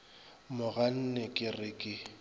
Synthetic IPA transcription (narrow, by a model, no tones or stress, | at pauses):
mʊɣan̩nɛkʼɪrɪkʼɪ